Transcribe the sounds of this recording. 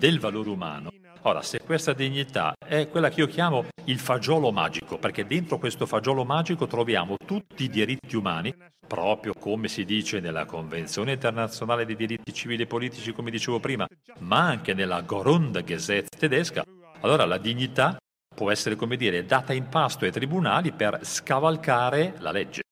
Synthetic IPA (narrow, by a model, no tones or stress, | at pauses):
d̪elvaloːɾeuma̰ːno | oːɾa̰sekːwest̪ad̪iɲːit̪a̰ɛkːwelːakeiːokjaːmoilfad͡ʒɔːloma̰ːd͡ʒikoperked̪ːent̪ɾokwest̪ofad͡ʒɔːlomaːd͡ʒikot̪ɾovja̰ːmot̪ut̪ːiːd̪iɾit̪ːiumaːni | pɾɔːpɾjokomesid̪iːt͡ʃenelːa̰koɱvent̪sjoːneint̪ernat̪sːjonaːled̪ejd̪iɾit̪ːit͡ʃiviːliepːoliːt̪it͡ʃikomed̪it͡ʃeːvopɾiːmamaaŋk̟enelːaɡoɾond̪ɡezɛt̪ːt̪ːed̪ɛska̰ | alːoːɾalad̪iɲːit̪a | pwɔɛsːeɾekomed̪iːɾed̪aːt̪aimpast̪oajt̪ɾibunaːliperskavalkaːɾela̰led͡ʒːe